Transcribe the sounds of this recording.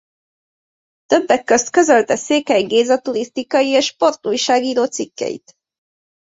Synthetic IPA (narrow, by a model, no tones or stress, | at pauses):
t̪ø̞bːɛkːø̞st̪kø̞zø̞lt̪ɛseːkɛjɡeːzɒt̪uɾist̪ikɒjieːʃːpo̞rt̪uːjʃaːɡiːɾoːt̪sikːɛ̰jḭt̪